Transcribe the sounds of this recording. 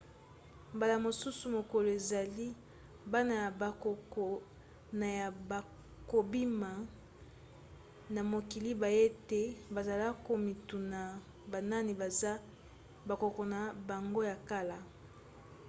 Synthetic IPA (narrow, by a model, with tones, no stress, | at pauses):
mba˨la˨mo˨su˦su˨mo˨ko˨lo˨e˨za˨li˦ | ba˦na˨ja˨ba˨ko˨ko˨ | na˨ja˨ba˨ | ko˨bi˦ma˨ | na˨mo˨ki˨li˦ba˨je˦te˦ba˨za˨la˦ko˨mi˨tu˨na˨ | ba˨na˦ni˨ba˨za˦ | ba˨ko˨ko˨na˨ba˨ŋɡo˦ja˨ka˦la˦